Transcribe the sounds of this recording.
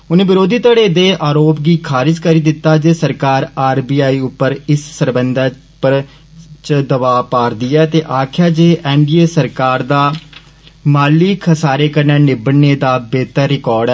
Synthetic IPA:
ʊnẽːʋɪɾoːd̪iːt̪əɽeːd̪eːʔaːɾoːpɡiːkʰaːɾɪd͡ʒkəɾiːd̪ɪt̪ːaːd͡ʒeːsəɾkaːɾaːɾbiːaːiːʊpːəɾɪssəɾbənd̪a | pəɾ | t͡ʃəd̪əbaːpaːɾd̪ɪjɛːt̪eːʔaːkʰɪjaːd͡ʒeːʔɛːɳɖiːeːsəɾkaːɾd̪aː | maːliːkʰəsaːɾeːkəɾneːnɪbəneːd̪aːbeːt̪əɾːɪkɔːɾɖɛː

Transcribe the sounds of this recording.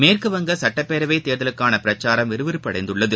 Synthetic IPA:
meːrkɯʋɐŋɡɐsɐʈːɐpːeːɾɐʋeɪt̪eːɾðɐlɯkːaːnɐpɪɾɐt͡ʃːaːɾɐmʋɛɾɯʋɪɾɯpːɐɽɐɪnd̪ɯɭːɐðɯ

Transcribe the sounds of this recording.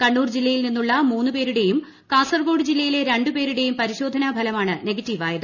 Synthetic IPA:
kɐɳːuːrd͡ʑilːɐjilninːuɭːɐmuːnːɨpe̞ːɾuɽe̞jum | kaːsɐrɡo̞ːɽɨd͡ʑilːɐjile̞ɾe̞ɳɖɨpe̞ːɾuɽe̞jumpɐɾiɕo̞ːd̪ʱɐnɐbʱɐlɐmaːɳɨne̞ɡɐtːiːʋaːjɐðɨ

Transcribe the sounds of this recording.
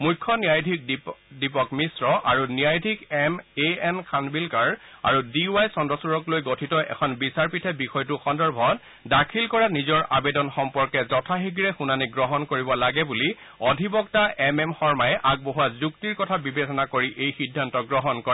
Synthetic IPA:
mujkʰːɔnijajdʱik̚dipɔkmisɹɔʔaɹunijajdʱikɛmeɛnkʰanbilkaɹa̰ɹudiuwajsɔndɔsuɹɔklojɡotʰitɔʔɛ̰kʰɔnbisaɹpitʰɛbixɔjtuxɔndɔɹbʱɔt | dakʰilkɔɹanizɔɹʔabɛdɔnxɔmpɔɹkɛzɔtʰaɦiɡɹɛxunaniɡɹɔɦɔnkoɹibɔlaɡɛbuli | ɔdʱibɔktaʔɛmɛmxɔɹmajɛʔaɡ̚boɦuazuk̚tiɹkɔtʰabibetɔnakoɹiʔejxidʱːantɔɡɹɔɦɔnkɔɹa

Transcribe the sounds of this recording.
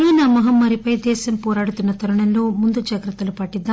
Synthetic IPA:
iːnaːmɐɦɐmːɐɾipɐjd̪ɛːsɐmpɔːɾaːɽut̪ːunːɐt̪ɐɾɐɳɐlːumund̪ud͡ʒɐɡɾɐt̪ːɐlupaːʈːid̪ːa

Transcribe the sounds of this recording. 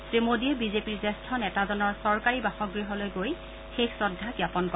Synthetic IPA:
tɹemodiɛbizepiɹzɛstʰɔnɛtazɔnɔɹsɔɹkaɹibaxɔɡɹiɦɔlojɡoj | xexsɔdʱːaɡjapɔnkɔɛ

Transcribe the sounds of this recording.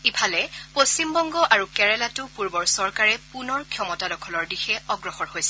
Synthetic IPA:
ipʰalɛpost͡ɕimbɔŋɡɔʔaɹukɛɹɛlatʊpuɹbɔɹsɔɹkaɹɛpunɔɹkʰjɔmɔtadɔkʰɔlɔɹdixɛɔɡɹɔxɔɹhojsɛ

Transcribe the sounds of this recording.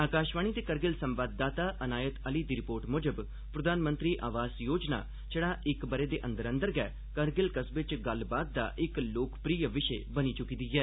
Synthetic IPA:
aːkaːʃʋaːɳ̃iːt̪eːkəɾɡɪlsəmʋaːd̪ːaːt̪aːʔənaːjət̪əliːd̪iːɾɪpoːɾʈmoːd͡ʒəb | pɾəd̪aːnmə̃nt̪ɾiːʔa̰ːʋaːsjoːd͡ʒna̰ː | t͡ʃəɽaːʔɪkbəɾeːd̪eːʔə̃nd̪əɾə̃nd̪əɾɡɛː | kəɾɡɪlkəsbɪt͡ʃɡəlbaːd̪̚ːa̰ːʔɪkloːkpɾiːəʋɪʃeːbəniːt͡ʃʊkiːd̪iːɦɛː

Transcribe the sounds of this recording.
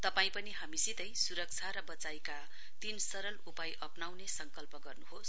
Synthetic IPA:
t̪ʌpaĩpʌniɦamisit̪ʌjsuɾʌk̚t͡sʰaɾʌbʌt͡sajka | t̪insʌɾʌlupajʔʌpnawnesʌŋkʌlpʌɡʌrnuhos

